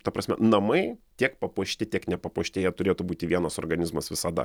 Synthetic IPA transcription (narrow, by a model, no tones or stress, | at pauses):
t̪ɐpɾʔɐsʲmʲɛ̰nɐmɐɪt̪ʲiɛkpɐpuɔʃʲt̪ʲɪt̪ʲiɛknʲɛpɐpuɔʃʲt̪ʲeːjɛt̪ʊɾʲeːt̪ʊbuːt̪ʲɪʋʲiɛnɐsoːrɡɐnʲɪzmɐsʋʲɪsɐd̪ɐ̰